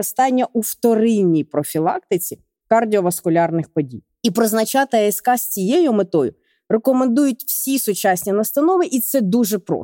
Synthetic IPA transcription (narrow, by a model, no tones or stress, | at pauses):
ɪst̪ɑnʲːɐʔuwt̪ɔɾɪnʲːijpɾɔfʲilˠɑ̰k̚t̪ɪt͡sʲi | kɐrdʲiɔʋɐskʊlʲɑrnɪxpɔdʲḭjjipɾɔznɐt͡ʃɑt̪ɪɛskɑsʲt͡sʲijejʊmet̪ɔjʊ̰ | rekɔmend̪ujʊt̚ʲw̥sʲisʊt͡ʃasʲnʲɐnɐst̪ɐnɔʋɪʔit̪sɛd̪uʒɛpɾɔ̰